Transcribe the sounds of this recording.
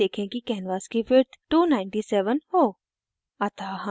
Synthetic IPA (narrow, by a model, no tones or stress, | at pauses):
eːkʰẽkikɛːnʋaːskifɪɾt̪ʰʈuːnaːɪ̃ɳʈisɛːʋənhoː | ɐt̪ʰaɦɐ̃